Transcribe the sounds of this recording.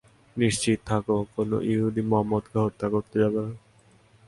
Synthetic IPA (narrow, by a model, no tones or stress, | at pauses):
niʃt͡ɕit̪̚ːt̪ʰakokono̰ʔjiuɦud̪imɔɦamːɔd̪keɦot̪ːakoɾt̪ed͡ʑabena